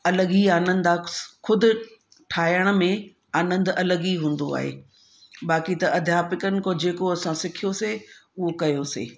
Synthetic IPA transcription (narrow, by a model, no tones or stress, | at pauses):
ɐləɣiaːnə̃nd̪aːxʊd̪ʱʊ̆ | ʈʰaːjəɽ̃̆mẽ | aːnə̃nd̪ɐləɡiɦũːn̆d̪oa̰ːɦḛː | baːkit̪ɐʔɐd̪ʱjaːpɪkənɪ̆kod͡ʑeːkoɐsãsɪkʰijoseʊɦokɐjosḛː